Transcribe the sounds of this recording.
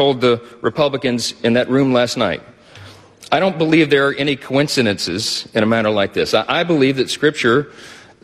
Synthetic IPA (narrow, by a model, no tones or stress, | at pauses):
oʊlˠd̪̚ðəɹʔɨpʰʌbləkɨ̃nzɨ̃nðɨʔ̚ɹʉ̃mlæstⁿnaɪt̚ | aɪɾõʊ̃nb̥əlivðə˞ːʔɛñikʰoɪ̃nsɨɾɨ̃nsɪzɨ̃ɾ̃ɨmæñə˞laɪk̚ðɪsʔaɪbəlivðɨtskɹɪp̚t͡ʃə˞